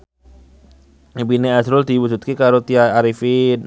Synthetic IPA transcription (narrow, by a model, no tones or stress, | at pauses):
bineasɾʊld̪iwud͡ʒut̪̚kikaɾot̪iaaɾifɪn